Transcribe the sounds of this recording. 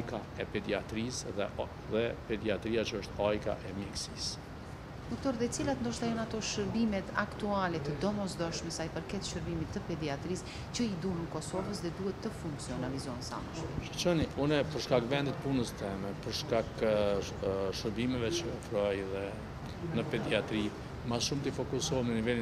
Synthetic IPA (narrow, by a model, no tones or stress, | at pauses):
jka | ɛpɛd̪iat̪ɾisðɛ | ðɛpɛd̪iat̪ɾijat͡ʃəəʃt̪ajka̰ʔɛmjɛksis | d̪ɔk̚t̪ɔɾðɛt͡silat̪ənd̪ɔʃt̪ajɔnat̪ɔʃəɾbimɛt̪akt̪ualɛt̪əd̪ɔmɔsd̪ɔʃmɛsajpəɾkɛt̪ʃəɾbimit̪ːəpɛd̪iat̪ɾis | cəid̪uɦənkɔsɔvəsðɛd̪uhɛt̪ːəfuŋksiɔnalizɔnsa̰məʃɛʃət͡ʃɔniunɛpəɾʃkakvɛnd̪ɛt̪̚punəst̪ɛmɛpəɾʃkak | ʃəɾbimɛvɛt͡ʃəɔfɾɔjðɛ | nəpɛd̪iat̪ɾi | maʃumt̪ifɔkusɔmnənivɛli